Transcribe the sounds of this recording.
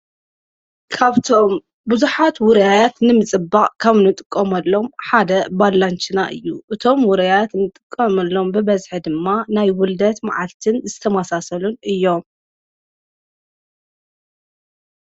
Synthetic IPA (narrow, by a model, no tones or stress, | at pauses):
kʰaβt̪ʰo̞m | bɨzuħat̪wʊɾɐjajat̪nɨmɨt͡sʼɨbːaʔʼkʰaβnɨt̪ʼɨkʼːɐmɐlːo̞mħad̪ɐbalːant͡ʃɨnaʔɨjːuʔɨt̪ʰo̞mwʊɾɐjajat̪nɨt̪ʼɨkʼːɐmɐlːo̞mbɨbɐzħɨd̪ɨmːanajwʊld̪ɐt̪ma̰ʕalt̪ʰɨnzɨt̪ʰɐmasasɐlunʔɨjːo̞m